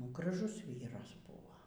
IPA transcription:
nʊ ɡrɐˈʒʊs ˈʋʲiːrɐs ˈbʊʋoː

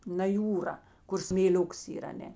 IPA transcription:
nɐ ˈjuːrɐ ˈkʊr sʲmʲeːˈlʲʊks ˈiːr ɐˈnʲɛ

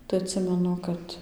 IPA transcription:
tɐɪ ɐtʲˈsʲɪmʲɛnʊ ˈkɐt

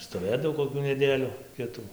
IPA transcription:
stoːˈʋʲeːdɐw koːˈkʲuː nʲɛˈdʲeːlʲʊ ˈkʲɪtuː

